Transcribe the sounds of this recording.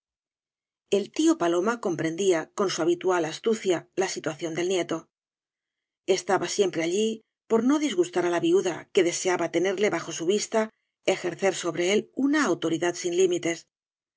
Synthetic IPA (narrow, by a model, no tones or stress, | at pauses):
e̞lt̪io̞palo̞mako̞mpɾe̞nd̪iako̞nsuaβ̞it̪ualast̪uθjalasit̪waθjo̞nd̪e̞lnje̞t̪o̞ | e̞st̪aβasje̞mpɾe̞aʎi | po̞ɾno̞ðizɣust̪aɾalaβiuðake̞ðe̞se̞aβat̪e̞ne̞ɾle̞βaxo̞suβist̪a | e̞xe̞ɾθe̞ɾso̞βɾe̞e̞lunaːwt̪o̞ɾiðaðsinlimit̪e̞s